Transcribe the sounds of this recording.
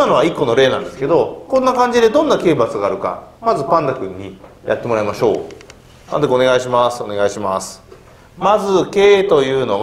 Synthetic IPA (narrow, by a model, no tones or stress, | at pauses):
ano̞β̞aikːo̞no̞ɾe̞ːnã̰nd̪esɨ̥ke̞d̪o̞kõ̞nːakãɲ̟d͡ʑid̪e̞d̪õ̞nːake̞ːbat͡sɨɡaːɾɯ̟ka̰mazɨpãnd̪akɯ̟ɲ̟ːijʔa̰t̪ːe̞mo̞ɾaimaɕo̞̰ː | pã̰nd̪akɯo̞ne̞ɡaiɕimasɨ̥o̞ne̞ɡaiɕimasɨ̥ | mazɨke̞ːt̪o̞jɯ̟ːno̞ɡ